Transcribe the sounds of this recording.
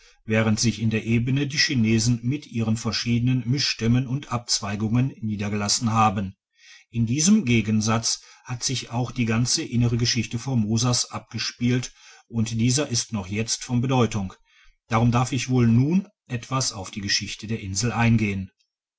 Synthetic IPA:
vɛːʁ̞əntz̥ɪçɪndeːɐʔeːbənədiːʃineːzn̩mɪtʔiːʁənfɛɐʃiːdənənmɪʃtɪmənʊntʔap̚t͡sv̥aɪɡʊŋənːiːdɐɡəlasn̩ɦaːbən | ʔɪndiːzəmɡeːɡənzat͡shatz̥ɪçaʊxd̥iːɡant͡səʔɪnəʁ̞əɡəʃɪçtəfoɐmoːzasʔap̚ɡ̥əʃpiːltʔʊntd̥iːzɐʔɪstnɔχjɛt͡stfɔnbədɔʏtʊŋ | d̥aːʁʊmdaɐfɪçv̥oːlnuːn | ʔɛtv̥asaʊfd̥iːɡəʃɪçtədeːɐʔɪnzl̩ʔaɪnɡeːən

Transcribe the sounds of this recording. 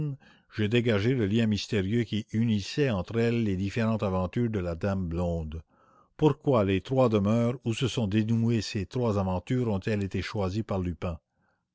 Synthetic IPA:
n | ʒ̥əd̪eɡaʒeləljɛ̃mist̪eʁjøkʲiynisɛɑ̃t̪ʁɛlːed̪ifeʁɑ̃t̪avɑ̃t̪yːʁd̪əlad̪amblɔ̃d̪ | puʁkwalet̪ʁwad̪əmœːʁusəsɔ̃d̪enueset̪ʁwazavɑ̃t̪yːʁɔ̃t̪ɛlet̪eʃwazipaʁlypɛ̃

